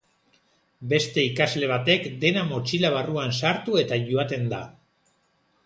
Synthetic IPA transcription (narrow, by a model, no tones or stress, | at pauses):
be̞st̪e̞ikazle̞β̞at̪e̞kd̪e̞namot͡ʃilaβ̞aruansaɾt̪ue̞t̪aʝoat̪e̞nd̪a